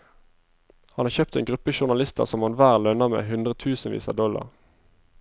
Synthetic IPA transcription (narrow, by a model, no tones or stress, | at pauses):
hɑnɑːçœːp̚t̪eːnɡʁʉpəʃʊʁnɑlɪst̪ʰə̰ʁsɔmhɑnʋæːʁlœnəʁmḛːɦʉnd̪ʁət̪ʰʉːsn̩ʋḭːsə̰d̪ɔlɑ̰ʁ